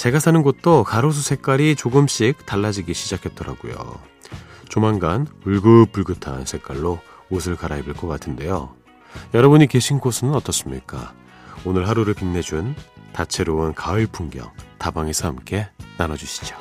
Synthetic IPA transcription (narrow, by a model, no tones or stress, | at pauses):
t͡ɕe̞ɡasʰanɯnɡot̚t͈okaɾos̬ʰusʰe̞k͈aɾit͡ɕoɡɯmɕ͈ik̚taɭːad͡ʑiɡiɕʰid͡ʑakʰe̞t̚t͈ʌɾa̰ɡ̥o̰jo̰ | t͡ɕomanɡanuɭɡɯp͈̚ːuɭɡɯtʰa̰nsʰe̞k͈waɭːo | osʰɯɭkaɾaibɯɭk͈ʌk͈atʰɯnde̞jo | jʌɾʌbɯɲike̞ɕʰinɡosʰɯnɯnʌt͈ʌs͈ɯmɲḭk͈a̰ | onɯɭɦaɾuɾɯɭpinːe̞d͡ʑuntat͡ɕʰe̞ɾoɯnkaɯɭpʰuŋɡjʌ̰ŋtabaŋe̞sʰʌhamk͈e̞nanʌd͡ʑuɕʰi̥d͡ʑo̥